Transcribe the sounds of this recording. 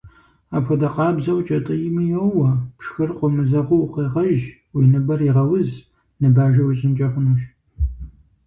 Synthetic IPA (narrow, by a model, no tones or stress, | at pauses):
aːpʰɔdɐqɑːbzɐwt͡ʃʼɐtʼɨjɪmɨjɐwwɐpʂxɨrqʷɔmɨzɐʁʷʊwqeːʁɐʒ | winɨbɐriʁɐwʊz | nɨbaːʒɐwɕʼɪnt͡ʃʼɐχʷʊnuːʃ